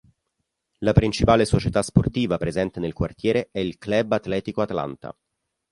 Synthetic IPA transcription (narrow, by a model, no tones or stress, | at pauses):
lapɾint͡ʃipaːlesot͡ʃet̪asport̪iːvapɾezɛnt̪enelkwart̪jɛːɾeɛilklɛbat̪lɛːt̪ikoat̪ala̰nt̪a̰